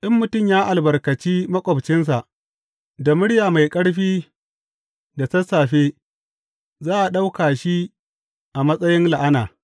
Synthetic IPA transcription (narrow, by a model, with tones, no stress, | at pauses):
ʔɪ˦mːʊ˨tʊ˦˨mjaː˦ʔa˨lbɐ˨rkɐ˨t͡ʃiː˦mɐ˦kʷʼɔ˨bt͡ʃɪ˦ns̬a˨ʔ | da˨mʊ˦ɽjaː˨ma˨jkʼɐ˦ɽɸiː˦ | da˨sɐ˦sːaː˨ɸeː˦ | zaː˦ʔa˨ɗa˦wkaː˨ʃi˦ | ʔa˨mɐ˦sʼɐ˦jɪ˦nla˨ʔa˦naː˨